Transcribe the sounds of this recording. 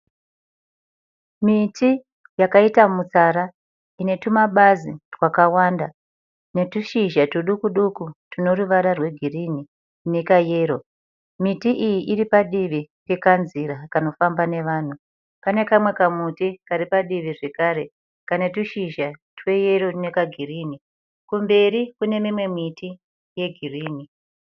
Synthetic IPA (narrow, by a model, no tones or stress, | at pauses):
miti | jakaitamut͡saɾa | ine̞tumaɓazirwakawaːnda | ne̞tuʃiʒatuɗukuɗukutino̞ruʋaɾarwe̞ɡʱirini | nekaje̞ːɾo̞ | mitiʔijiʔiripaɗiʋitekanziɾakano̞fambane̞ʋaːn̤u | pane̞kamwe̞kamutikaɾipaɗiʋiʐe̞kaːɾe̞ | kanetuʃiʒatwe̞je̞ɾo̞ne̞kaɡʱiriːni | kumbe̞ɾikune̞mimwe̞miti | je̞ɡʱiriːni